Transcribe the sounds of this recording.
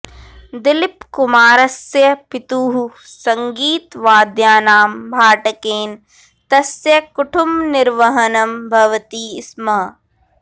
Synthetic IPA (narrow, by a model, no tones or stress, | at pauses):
d̪ɪlɪpkʊmaːɾɐsjɐpɪt̪uːɦusɐŋɡiːt̪ʋaːd̪jaːnaːmbʱaːʈɐkeːn | t̪ɐsjɐkʊʈʰʊmnɪɾʋɐɦɐnɐmbʱɐʋt̪iːɪsmɐɦ